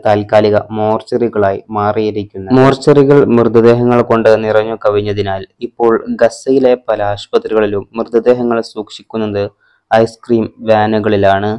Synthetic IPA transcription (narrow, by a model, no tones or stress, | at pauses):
t̪aːlkaːliɣɐmo̞ːrt͡ɕːɐriɣɐɭaːjmaːrijɐɾikʲːunːɐmo̞ːrt͡ɕːɐriɣɐɭmrɨd̪ʱːɐd̪e̞ːɦɐŋːɐɭko̞ɳɖɨnirɐɲːukɐʋiɲːɐðinaːlipːo̞ːɭɡɐsːɐjile̞pɐlaːɕpɐt̪riɣɐɭilumːrɨd̪ʱːɐd̪eːɦɐŋːɐɭsuːkʂikʲːunːɐðɨ | ɐjskriːmʋaːnuɣɐɭilaːɳɨ